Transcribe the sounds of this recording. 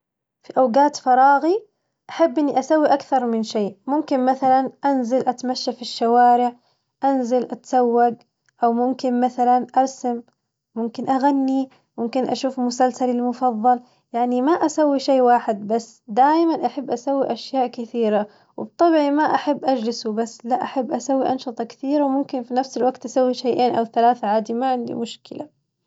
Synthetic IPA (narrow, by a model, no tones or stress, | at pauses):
fiʔawɡaːt̪fɑɾˤɑːɣi | ʔaħabːʔɪnːiʔasawːiʔakθɑɾˤmɪnʃeːʔmʊmkɪnmaθalanʔanzalʔat̪maʃːafiʃːawaːɾɪʕ | ʔanzalʔat̪ḁsawːaɡ | ʔawmʊmkɪnmaθalanʔɑɾˤsamː | ʊmkɪnʔaɣanːi | mʊmkɪnʔaʃuːfmʊsalsalɪlmʊfɑðˤːɑl | jaʕnimaʔasawːiʃejːwaːħɪd̪̚basːd̪aːjmanʔaħabːʔasawːiʔaʃjaːʔkɪθiːɾa | wɪbt̪ˤːɑbʕimaʔaħabːʔad͡ʒlɪsubasːlaʔaħabːʔasawːiʔɑnʃɨt̪ˤɑkɪ̥θiːɾawmʊmkɪnfinafsɪlwaɡt̪ʔasawːiʃajːʔeːnʔawθalaːθaʕaːd̪imaʕɪnd̪ḭmʊʃkɪlʔa